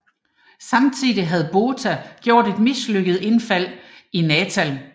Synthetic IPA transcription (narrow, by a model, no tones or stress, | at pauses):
sɑ̈mt͡sʰið̰ˠiɦæð̞̩ˠb̥o̝ːt͡sʰæɡ̥jo̝ɐ̰d̥e̝d̥misløɡ̥əð̩ˠe̝nfæl̰inɛːt͡sʰæl